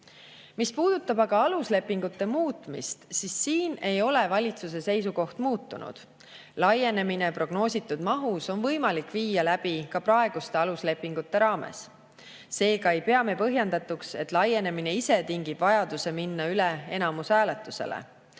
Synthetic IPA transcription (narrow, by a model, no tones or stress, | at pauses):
mispuːd̪̥ut̪ːˑɑbɑɡ̥ɑɑlusle̞pːˑiŋɡ̥ut̪ːe̞muːt̪ːˑmḭst̪sisːiːne̞jo̞le̞vɑlʲit̪sus̬e̞se̞jsuko̞ht̪muːt̪ːunṵd̪̥ | lɑje̞ne̞mine̞pro̞ɡ̥no̞ːsʲit̪ːˑud̪̥mɑɦuso̞nvɤ̞jmɑlikviːjɑlæb̥ikɑpɾɑe̞ɡ̥ust̪e̞ɑlusle̞pːˑiŋɡ̥ut̪ːe̞ɾɑːme̞̰sː | e̞ːkɑejpe̞ɑme̞pɤɦjɑnd̪ɑt̪ːˑukse̞t̪ˑlɑje̞ne̞mine̞ise̞t̪iŋɡib̥vɑjɑd̪̥use̞minːɑylee̞nɑmusæːle̞t̪ːˑuse̞̰lḛ